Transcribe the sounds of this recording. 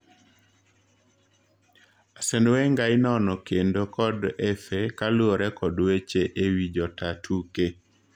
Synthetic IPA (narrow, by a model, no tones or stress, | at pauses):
asendweŋɡaɪnɔnɔkendokɔdɛfekaloɾɛkɔdwet͡ʃeʔewid͡ʒɔtatʰuke